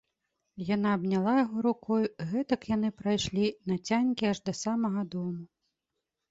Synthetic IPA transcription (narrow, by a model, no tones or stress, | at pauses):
janaːbnʲalˠajɐɣɔɾukɔjuɣɛt̪ɐkjan̪ɨpɾajʂlʲinɐt͡sʲanʲkʲiaʐd̪ɐsamɐɣɐd̪ɔmu